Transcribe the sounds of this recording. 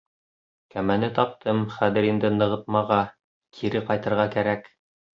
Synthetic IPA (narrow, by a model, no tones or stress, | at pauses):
kæmænɘt̪ɑp̚t̪ʰɤmχæðɘ̆ɾind̪ɘnɤ̆ʁɤt̪̚mɑʁɑ | kʰiɾɘqɑjt̪ɤ̆ɾʁɑkæɾæk